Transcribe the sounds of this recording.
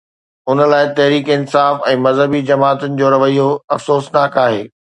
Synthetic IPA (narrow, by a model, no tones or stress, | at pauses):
ʊnə̆laːɪt̪ɐɦɾiːkɪnsaːfɛ̃ːmɐzɦəbid͡ʑɐmaːt̪ʊnɪ̆d͡ʑoːɾɐʋəijoɐfsoːsnaːkaːɦeː